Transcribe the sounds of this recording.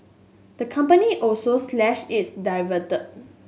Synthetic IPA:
d̪̥əkʰʌ̃mpəniʔɔlsoslɛʃisdaɪvətə

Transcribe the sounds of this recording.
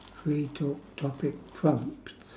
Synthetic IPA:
fɹitʰotʰɔpɪk̚pʰɹʌ̃mpts

